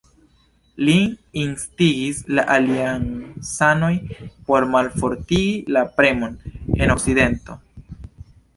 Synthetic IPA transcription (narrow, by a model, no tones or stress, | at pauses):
liːnstiɡislaʔaliansano̞jpo̞ɾmalfo̞ɾtiɡilapɾe̞mo̞ne̞no̞kside̞nto̞